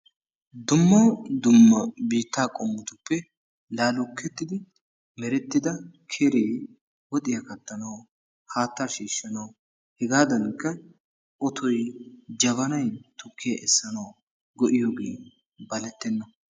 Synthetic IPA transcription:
d̪ʊmːod̪ʊmːɐbiːt̪ːaːkʼɔmːʊt̪ʊpːɛ | laːlʊkʰːɛt̪ːɪd̪ɪ | mɛɾɛt̪ːɪd̪ɐkʰeːɾeː | wɔt̪ʼɪjɐkɐt̪ːɐnɐw | haːt̪ːaːʃiːʃːɐnɐw | hɛɡaːd̪ɐnkːɐ | ʔɔt̪ʰɔjd͡ʒɐβɐnɐjt̪ʊkːɪjɐʔɛsːɐnɐw | ɡɔʔɪjoːɡḛː | bɐlɛt̪ːɛnːɐ

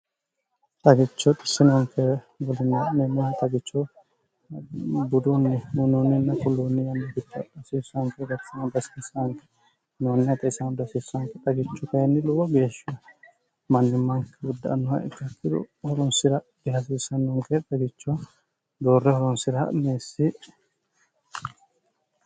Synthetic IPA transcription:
t̪ʼɐɡɪt͡ʃːɔt̪ʼɪ̥sːɪnɔŋkʰːɛ | ɡɔlɪnːanɛnːɛt̪ʼɐɡɪt͡ʃːɔ | bʊd̪unːɛʊnunːɪnːɐkʊlːunːɪjɐnːɐɡɪt͡ʃːɔɐᶑɐsiːsɐŋkɛɡɐsɪnɐd̪ɐsiːsːaŋkɛ̥ | noːnːɪɐt̪ʼɐsɐnd̪ɐsiːsːɐŋkːɛt̪ʼɐɡɪt͡ʃːɔkɐjɛnːɪlʊwɐɡe̞ːʃɪɐ | mɐnːɪmːɐŋkːɛɡʊd̪ːɐ̰nːɔhɐ̰ɪ̰kːɐkːɪd̪ʊ̰hɔɾɔnsɪɾɐ | b̪ɪɦɐs̬iːsɐnːɔŋkɛt̪ʼɐɡɪt͡ʃːʊ | d̪oːrːɛhɔɾɔnsɪɾɐ̰meːsːɪ

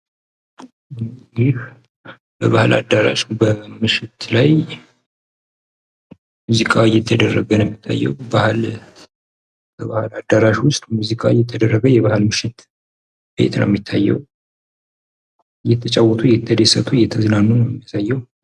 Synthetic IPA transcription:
jɪh | bəβahlʔa̰d̪aɾa̰ʃubəmɨʃɪt̪laj | muzikʼajɛt̪ʰːəd̪ərːəɡənɛmːit̪ʰːa̰jːɛ̰wbahl | bəβahlad̪aɾaʃwʊst̪ʼmuzikʼajɛt̪ʰːəd̪ərːəɡəjɛβahɨlmɨʃɪt̪ | b̥ḛt̪ʰna̰ɛmːit̪ʰːajːɛ̰w | jɛt̪ʰːət͡ʃʼawːɔt̪ʰʼujɛt̪ʰːəd̪esət̪ʰʼujɛt̪ʰəzɨnanːunəjɛmːjasajːɛw

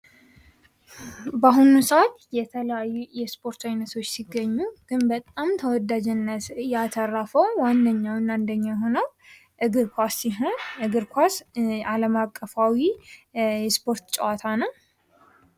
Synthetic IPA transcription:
baɦunusəat̪jɛt̪ʰələjajːujɛspʰo̞ɾt̪ʰajnət̪ʰo̞t͡ʃːsiɡːəɲːuɡ̥ɨnbət̪ʼamt̪ʰəwɔd̪ad͡ʒɛnːət̪jat̪ʰərːafəwwand̪əɲːawɨnand̪əɲːajɦo̞nəw | ʔɨɡɨɾkʰʷasiɦoʔɨɡɨɾkʰʷasaləmakʼːəfawi | jɛspʰo̞ɾt̪t͡ʃʼɛwat̪ʰanəw

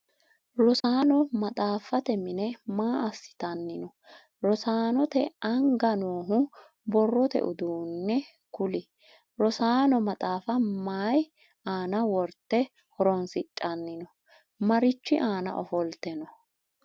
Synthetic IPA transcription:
ɾɔsaːnɔmɐt̪ʼaːfɐt̪ɛmɪnɛmaːɐsːɪ̥t̪ɐnːɪnɔ | ɾɔsaːnɔt̪ɛɐŋɡɐnoːɦʊ | bɔrːɔt̪ɛ̰ʔʊd̪uːnːɛ | kʊlɪ | ɾɔsaːnɔmɐt̪ʼaːfɐmaːj | aːnɐwɔɾt̪ːɛ | hɔɾɔnsɪt͡ʃʼːɐnːɪnɔ | mɐɾɪt͡ʃːɪʔaːnɐ̰ʔɔfɔlt̪ɛnɔ

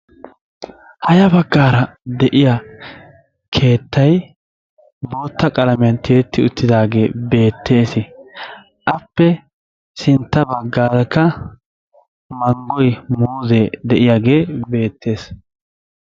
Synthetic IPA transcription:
hɐjɐbɐɡːaːɾɐd̪ɛʔɪja | kʰe̞ːt̪ːɐj | bo̞ːt̪ːɐkʼɐlɐmɪjɐnt̪ʰeːt̪ːɪʊt̪ːɪd̪aːɡe̞ːbe̞ːt̪ʰːe̞ːsɪ | ʔɐpːɛ | sɪnt̪ːɐbɐɡːaːɾɐkːɐ | mɐŋɡɔjmuːzed̪ɛʔɪjaɡe̞ːbe̞ːt̪ʰːe̞ːs

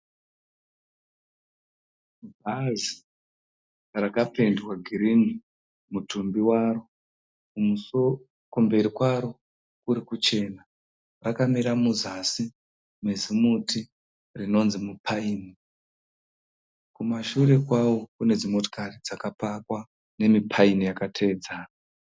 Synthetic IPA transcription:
bazi | rakape̞ndwaɡʱiɾini | mutumbiwaro̞ | kuus | kumbe̞ɾikwaɾo̞ | kuɾikut͡ʃe̞ːna | rakamiɾamuzasi | mezimutʰi | rino̞nzimupʰaiːni | kumaʃuɾe̞kwawo̞kune̞d͡zimo̞to̥karid͡zakapakwa | ne̞mipʰainijakatʰe̞ːd͡zaːna

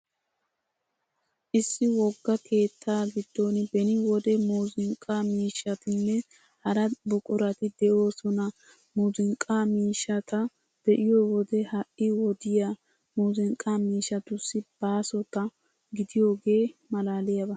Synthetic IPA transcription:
ʔɪsːɪwɔɡːɐke̞ːt̪ʰːaːɡɪd̪̥ːo̞nbɛnɪwɔd̪ɛmoːzɪŋkʼːamiːʃːɐt̪ɪnːɛ | hɐɾɐbʊkʼʊɾɐt̪ɪd̪ɛʔo̞ːsɔnɐ | muːzɪŋkʼːaːmiːʃːɐt̪ɐ | d̪̥ɛʔɪjowɔd̪ɛhɐʔɪwɔd̪ɪja | moːzɪŋkʼːamiːʃɐt̪ʊsːɪb̥aːsɔt̪ɐ | ɡɪd̪ɪjo̞ːɡe̞ːmɐlaːlɪjɐbɐ

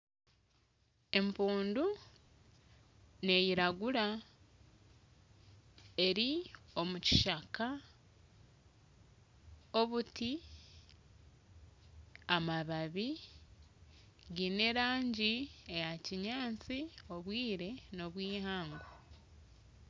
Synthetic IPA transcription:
e̞mpuːndu | ne̞jiɾaɡuɾa | e̞ɾio̞muci̥ʃaka | o̞βuti | amaβaβi | ɡine̞ɾaːɲɟiejaciɲaːt͡sio̞βwiːɾe̞no̞βwiːhaːŋɡo

